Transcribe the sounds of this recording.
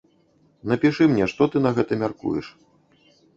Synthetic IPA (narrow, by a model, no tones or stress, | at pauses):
nɐpʲiʂɨmnʲɛʂt̪ɔt̪ɨnɐɣɛt̪ɐmʲarkṵjɛʂ